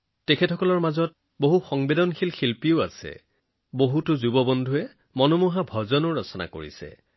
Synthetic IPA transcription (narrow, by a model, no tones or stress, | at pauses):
tekʰɛtʰɔkɔlɔɹmazɔt̚ | boɦuxɔŋbedɔnxʰilxilpiʊasɛ̰ | boɦutʊzubɔbɔndʱuɛ | mɔnɔmuɦabʱɔzɔnʊɹɔsɔna̰ko̰ɹḭsɛ̰